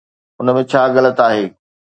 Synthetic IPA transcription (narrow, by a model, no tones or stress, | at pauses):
ʊnəmẽt͡ɕʰaːɣɐlət̪aːɦeː